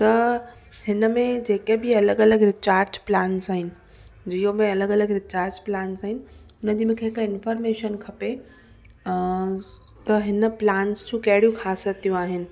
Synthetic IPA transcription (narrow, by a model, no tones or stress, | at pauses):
t̪ɐ | hɪnəmẽd͡ʑeːkebɪɐləɡɐləɡɾɪt͡ɕaːɾd͡ʑplaːnsaːɦɪnɪ̆ | d͡ʑiːjõmẽɐləɡɐləɡɾɪt͡ɕaːɾd͡ʑplaːnsaːɦɪnɪ̆ | ʊnəd͡ʑimẽkʰeːkɪnfəːɾmeːʃənkʰɐpe | t̪ɐɦɪnə̆plaːnst͡ɕʰũkɐɦɪɽijũkʰaːsət̪ijũaːɦɪnɪ̆